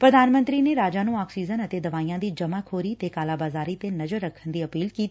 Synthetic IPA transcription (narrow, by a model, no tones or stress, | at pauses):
pɾɐd̪ʱaːnmə̃nt̪ɾineɾaːd͡ʒanũːaːksiːzənət̪ed̪ɐʋaːiːjãd̪iːd͡ʒɐmakʰoːɾit̪ekaːlaːbaːzaːɾit̪enɐzəɾːɐkʰənd̪iːɐpiːlkiːt̪i